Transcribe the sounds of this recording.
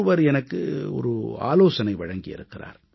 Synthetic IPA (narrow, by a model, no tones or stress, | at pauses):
ɯʋɐɾɛnɐkːɯɔ̰ɾɯa̰ːloːsɐnɐɪʋɐɻɐŋɡɪjɪ̰ɾɯkːɪra̰ːɾ